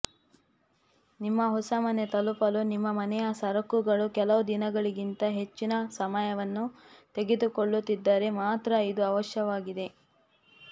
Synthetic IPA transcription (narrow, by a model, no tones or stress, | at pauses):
nimːɐɦɔsɐmɐne̞t̪ɐlupɐlunimːɐmɐnɛjɐsɐɾɐkuɡɐɭukɛlɐʋud̪inɐɡɐɭiɡint̪ɐɦe̞t͡ʃːinɐsɐmajɐʋɐnːut̪e̞ɡed̪ukoɭːut̪ːid̪ːɐɾe̞maːt̪ɾɐid̪uɐʋɐʃjɐʋaːɡid̪e̞